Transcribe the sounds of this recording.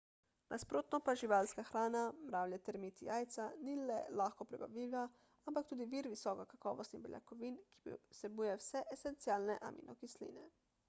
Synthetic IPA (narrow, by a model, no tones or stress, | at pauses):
nʔaspɾoːt̪nɔpaʒiʋaːlskaxɾaːnamɾaːwlʲjat̪ɛɾmit̪ijaːjt̪sanilɛ̰laːxkɔpɾɛba̰ʋiːla | ampak̚t̪uːd̪iʋiːɾʋisɔːkakakɔːʋɔst̪nibɛ̰lja̰kɔʋiːnki̥bsɛbuːjɛwsɛʔesɛnt̪siaːlnɛʔa̰mʔḭnʔɔkislḭːnɛ